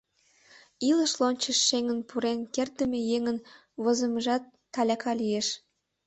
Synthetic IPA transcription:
ilə̆ʃlonʲt͡ɕə̆ʃːeŋə̆npuɾenkert̪ə̆mĕjeŋən | βɤ̆zə̆məʒɑt̪ːɑlʲɑkʰɑlijeʃ

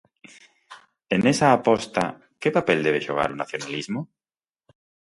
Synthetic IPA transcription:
enesaːpost̪a̰ | kepapeld̪eβ̞eʃoɣ̞a̰ɾunaθjo̞nalizmo

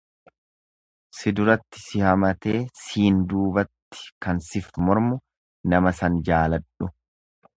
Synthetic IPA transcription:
sɪd̪ʊɾɐt̪ːɪ̥sɪhɐmɐt̪eːsiːnd̪uːbɐt̪ːɪ̥kɐnsɪfmɔɾmʊ | nɐmɐsɐnd͡ʒaːlɐᶑʊ

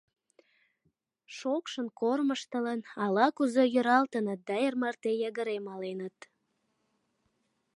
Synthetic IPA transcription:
ʃokʃənkorməʃt̪ələnɑlɑkuzojøɾɑlt̪ənət̪̚d̪ɑermɑrt̪ejɑɣəɾemɑlenət̪

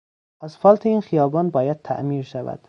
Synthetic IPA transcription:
ʔæzfɒːlt̪ʰeiːnxijɒːbɒːnbɒːjæd̪̥̚t̪ʰæ̰ʔmiːɾʃævæ̰d̪̥

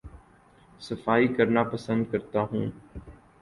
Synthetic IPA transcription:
səfaːiːkəɾnaːpəsə̃nd̪̚kəɾt̪aːɦũː

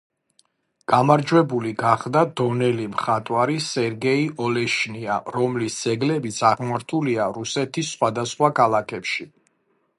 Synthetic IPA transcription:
ɡ̥amaɾd͡ʒwɛbuliɡaχd̪ad̪ɔnɛlimχat̪ʼwaɾisɛɾɡɛiɔlɛʃnia̰ɾɔmlisd̪z̥ɛɡlɛbit̪sʰaʁmaɾt̪ʰuliaɾusɛt̪ʰisːχwad̪asχwakʰalˠakʰɛpʃi

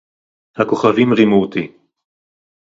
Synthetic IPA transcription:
hakoχavimʁimut̪i

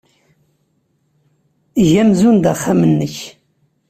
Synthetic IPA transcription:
ʝæmzund̪aχːamənːəç

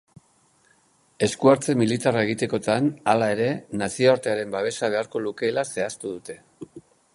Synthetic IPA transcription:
e̞skuaɾt͡se̞milit̪arae̞ɣ̞it̪e̞ko̞t̪analae̞ɾe̞nasioaɾt̪e̞aɾe̞mbaβ̞e̞saβ̞e̞aɾko̞luke̞ːlase̞ast̪uðut̪e̞

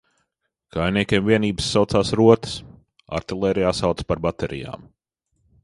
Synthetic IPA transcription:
kajniɛkʲiɛmviɛniːbəsːawt̪saːsɾuɔt̪ə̥s | a̰ɾt̪ilˠɛːɾijaːsawt̪spaɾbat̪ɛɾʔḭja̰ːm

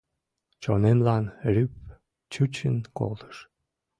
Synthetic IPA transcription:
t͡ɕonemlɑnrʲyp̚ | t͡ɕut͡ɕənko̰lt̪ə̥ʃ

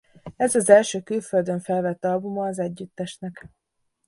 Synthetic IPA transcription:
ɛzɒzɛlʃøːkylføld̪øɱfɛlvɛt̪ːɒlbumɒːzɛɟːyt̪ːɛʃnɛk

